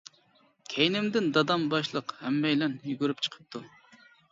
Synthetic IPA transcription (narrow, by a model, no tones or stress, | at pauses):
kʲʰejnɪmd̪ɪnd̪ɑd̪ɑmbɑʃlˠəqhɛmːɛjlɛnjyɡʲyɾypt͡ʃʰə̥qʰə̥p̚t̪ʰu